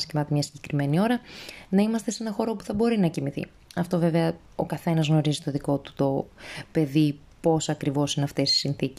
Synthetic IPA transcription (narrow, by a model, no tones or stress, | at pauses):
scimɐt̪emɲɐsiɟe̞̥kɾime̞nio̞ɾɐnɐimɐst̪e̞senɐxo̞ɾo̞puθɐbo̞ɾinɐcimiθḭ | ɐft̪o̞ve̞ve̞ɐ | okɐθe̞nɐzɣno̞ɾizit̪o̞ðiko̞t̪u̥t̪o̞pe̞ði | po̞sɐkɾivo̞sineɐft̪e̞si̥sinθic